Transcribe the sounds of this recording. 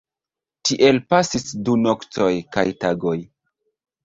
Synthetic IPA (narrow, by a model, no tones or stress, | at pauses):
tiʔe̞lpasisdunokt͡so̞jka̰jtaɡo̞j